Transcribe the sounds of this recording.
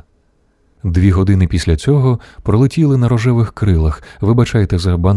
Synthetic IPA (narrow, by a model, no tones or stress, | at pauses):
d̪ʋʲiɦɔd̪ɪnɪpʲisʲlʲɐt͡sʲɔɦɔpɾɔlˠɪtʲilˠɪnɐɾɔʒɛʋɪxkɾɪlˠɐxʋɪbat͡ʃajet̪ɛzɐban